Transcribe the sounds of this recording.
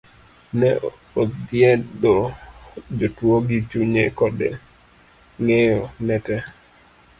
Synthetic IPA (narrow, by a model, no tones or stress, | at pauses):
nɛ | od̪ɪjɛdɔ | d͡ʒotwoɡit͡ʃuɲekɔdḛ | ŋejonɛtɛ